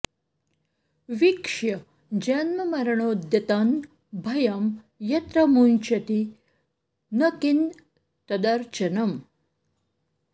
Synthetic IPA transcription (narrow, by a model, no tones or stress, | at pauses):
ʋikʂjɐ | d͡ʒɐnmɐmɐɾɐɳoːd̪jɐt̪aːn | bʱɐjɐm | jɐt̪ɾɐmunt͡ʃɐt̪i | nɐkin | t̪ɐd̪ɐɾt͡ʃɐnɐm